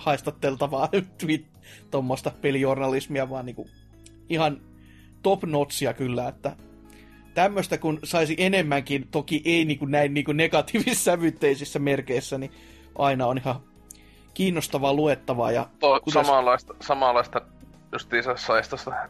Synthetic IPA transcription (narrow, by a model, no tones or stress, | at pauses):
hɑist̪ɑt̪ːelt̪ɑʋɑːt̪ʋit̪ | t̪omːost̪ɑpeliornɑlismiɑʋɑːniːŋku | ihɑn | t̪opnot̪siɑkylːæet̪ːæ | t̪æmːøst̪ækunsɑisiʔenemːæŋkint̪okiʔeiniːŋkunnæinniːkunnekɑt̪iːʋisːæʋyt̪ːeisisːæmerkeisːæni | ʔɑinɑonihɑ | kiːnːost̪ɑʋɑluet̪ːɑʋɑ̰ːjɑ̰t̪okusɑmɑlːˑɑist̪ɑsɑmɑˑlːˑɑist̪ɑ | just̪iːsɑsɑist̪ɑst̪ɑ